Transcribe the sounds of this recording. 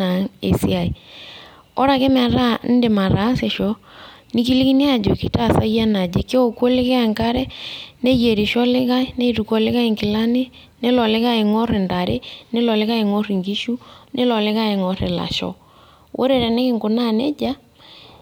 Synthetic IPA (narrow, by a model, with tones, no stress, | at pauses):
a˨ŋḛ˨sḭ˦a˨i˨ | ɔ˦ɾa˨ke˦m˦a˨ɾa˦n˦de˨ma˨ɾa˨˦se˨ʃɔ˨˦nɪ˦ki˦li˦ki˦ne˦a˨d͡ʒo˨ki˨ta˦˨sa˦ja˦na˨d͡ʒe˨ke˦o˦ko˦lɪ˦kɛ˦a˨ŋka˦ɾɛ˦ne˦je˨ɾe˨ʃɔ˦lɪ˦ɣa˦ɪ˦ne˦i˦tu˨kɔ˨lɪ˦ɣa˦e˨ŋkɪ˨la˦nɪ˦ | ne˦lɔ˨lɪ˦ɣa˦e˨ŋɔ˦ɾɪ˨nta˨ɾḛ˦ne˦lɔ˨lɪ˦ɣa˦e˨ŋɔ˦ri˨ŋɡi˦ʃu˦nʔe˦lɔ˨lɪ˦ɣa˦e˨ŋɔ˨˦ɾɪ̰˨la̰˨ʃɔ̰˦ | wʔo̰˦ɾe˨ɾɛ˨nɪ˦kɪ˦ŋɡʊ˨na˦nḛ˦d͡ʒa˦